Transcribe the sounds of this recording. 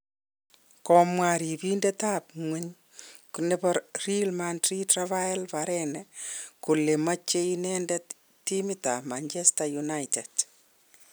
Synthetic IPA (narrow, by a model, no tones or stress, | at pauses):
kɔmwaɾibindɛtap̚ŋwɛɲ | kunɛbɔɾrilmantritravajalbaɾɛnɛkulemat͡ʃːeinɛndɛt | timitamaɲt͡ʃɛstajunajted